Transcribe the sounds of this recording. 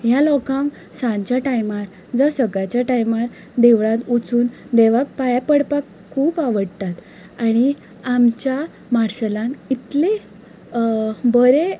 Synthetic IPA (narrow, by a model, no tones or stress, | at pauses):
ɦjalɔkãŋk | sãnt͡ɕjaʈajmaɾ | d͡zəsəɡat͡ɕjaʈajmaɾ | d̪eʋɭãt̪ut͡suːnd̪eʋak̚pajapəɽpakʰːuːpaʋəɽt̪at̪ | aɽ̃i | amt͡ɕja | maɾsəlãnit̪le | bəɾe